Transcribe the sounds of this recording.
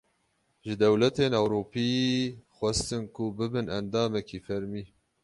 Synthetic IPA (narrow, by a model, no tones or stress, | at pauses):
ʒɨd̪ɛwlɛt̪eːnɛwɾuːpiːxʷɛst̪ɨnkʰubɨbɨnɛnd̪ɑːmɛkiːfɛɾmiː